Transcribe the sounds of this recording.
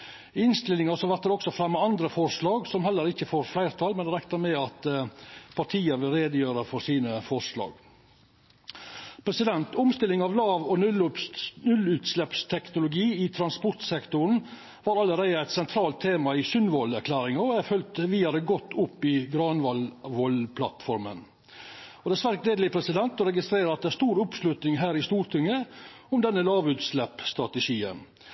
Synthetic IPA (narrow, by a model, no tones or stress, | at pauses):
ɪɪnst̪ɪlːɪŋɑsɔʋæɾt̪əd̪ɛɔksɔfɾɛmːəɑnd̪ɾəfɔɾʂlɑːɡsɔmhɛlːəɾɪçəfoːɾflæɪɾt̪ʰɑlmɛnd̪ɛɾɛkt̪əɾmɛɑt̪ | pʰɑʈʰiːəʋɪlɾeːd̪əjøːɾəfɔɾsiːnəfɔɾʂlɑ̰ːɡ | pʰɾɛsɪd̪ɛnt̪ʊmst̪ɪlɪŋɑʋlɑːʋɔnʉnʉlʉːt̪slɛpst̪ʰɛknʊlʊɡiːɪt̪ʰɾɑnspɔɾt̪sɛkt̪ʊɾɳ̩ | ʋɑːɾɑlːəɾeɪd̪əæɪt̪sɛnt̪ʰɾɑːlt̪ʰːeːmɑɪsʏnʋɔlæɾkʰlæːɾɪŋɑɔæfœlt̪ʋiːɑɾəɡɔt̪ːʊpːɪɡɾɑːnʋɑlʋɔlpʰlɑ̰t̪fɔɾmə̰n | ɔd̪ɛsʋæɾkleːd̪lɪpʰɾɛsɪd̪ɛnt̪ɔɾɛɡɪst̪ɾeːɾəɾɑt̪̚d̪ɛæʂt̪uːɾʊpslʉt̪nɪŋɦæːɾɪst̪uːɾʈ̪ʰɪŋːəʊmd̪ɛnːəlɑːʋʉːt̪slɛpst̪ɾɑt̪əʂiːə̰n